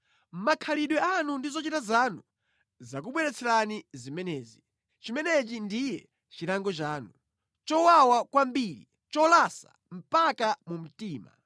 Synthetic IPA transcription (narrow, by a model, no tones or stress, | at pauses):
m̩makʰaliɗwɛanundizɔt͡ʃitazanu | zak̬uɓwɛɾɛt͡sʰɛɾanizimɛnɛːzi | t͡ʃimɛnɛt͡ʃindijɛ | t͡ʃiɾaŋɡɔt͡ʃaːnu | t͡ʃɔwawakwambiɾḭ | t͡ʃɔlasa̰ | m̩pakamum̩tiːma̰